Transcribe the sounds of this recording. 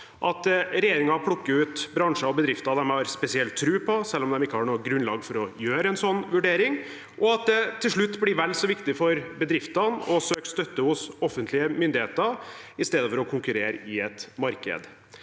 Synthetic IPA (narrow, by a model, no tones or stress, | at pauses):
ʔɑt̪ɾɛjeːɾɪŋɑpʰlʊkːəʉːt̪bɾɑŋʂəɔbəd̪ɾɪft̪ɑd̪ɛmhɑɾspɛsɪɛlt̪ʰːɾʉːpʰɔsɛlːɔmd̪ɛmɪkːəhɑɳuːəɡɾʉnlɑ̰ːɡfɔɾɔjøːɾəɛnsɔnːʋʉɖeːɾɪŋ | ʔɔɑt̪̚d̪ɛt̪ʰːɪlʂɭʉt̪ːblɪɾʋɛlːsɔʋɪkt̪ɪfɔɾbəd̪ɾɪft̪ɑnɔsøːkst̪œt̪ːəhʊsɔfːənt̪lɪəmʏnd̪ɪheːt̪ə | ɪst̪eːd̪əfɔɾɔkʰʊŋkʉɾeːɾɪɛt̪mɑɾkə̰d̪